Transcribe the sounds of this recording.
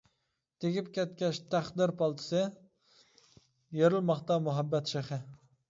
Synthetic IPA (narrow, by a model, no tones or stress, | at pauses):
t̪ʰeɡʲɪpkʲɛt̪̚kʲɛʃt̪ʰæχd̪ɪɾpʰɑlˠt̪ʰɨ̥sɪ | jeɾɪlˠmɑχt̪ɑmʊɦabːæt̪ʃeχɪ